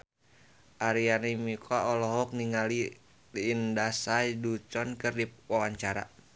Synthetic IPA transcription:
ʔaɾianimikʰaʔɔlɔɦɔk̚niŋali | liːndasadut͡ʃɔnkərdipwawaɲt͡ʃaɾa̰

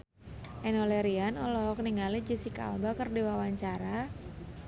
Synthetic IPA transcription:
ʔɛnɔleɾianɔlɔk̚niŋalid͡ʒisika̰lbakərdiwawaɲt͡ʃaɾa

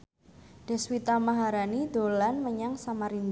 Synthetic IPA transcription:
d̥ɛ̤swit̪amaɦaɾanid̪̥o̤lanməɲaŋsamaɾind

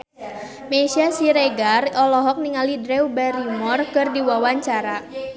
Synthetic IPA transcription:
meʃasiɾeɡarɔlɔɦɔk̚niŋalidɾɛwbɛɾimɔrkɨrdiwawaɲt͡ʃaɾa

